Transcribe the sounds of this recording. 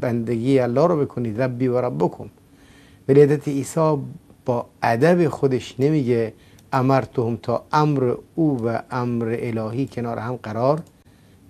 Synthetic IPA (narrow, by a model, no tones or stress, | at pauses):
bænd̪eɡiːeælːɒːhɾɒːbekʰoniːd̪ɾæbːiːvæɾæbbokʰom | væliːhæzæt̪ʰeiːsɒː | b̥ɒːʔæd̪æbexod̪eʃnemiːɡe | ʔæmæɾt̪ʰohomt̪ʰɒ̰ːʔæmɾḛuːvæʔæmɾeʔelɒːhiːkʲʰenɒːɾehæmɢæɾɒːɾ